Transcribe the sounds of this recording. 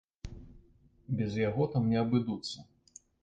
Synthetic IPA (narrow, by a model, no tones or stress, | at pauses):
bʲɛzjaɣɔt̪amnʲɛɐbɨd̪ut̪sːɐ